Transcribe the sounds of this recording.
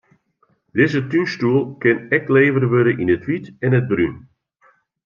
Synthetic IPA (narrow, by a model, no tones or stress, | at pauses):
dɪzətynstuəlˠkɪnɛkleːvərʋøɾəʔinətʋitɛnəd̚bryn